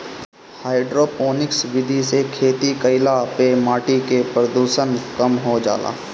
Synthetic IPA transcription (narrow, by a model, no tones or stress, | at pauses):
haːɪɖɾoːpoːnɪksʋɪd̪ʱisekʰeːt̪ikəɪlapemaːʈikepɾəd̪uːʃənkəmɦod͡ʒa̰ːla̰ː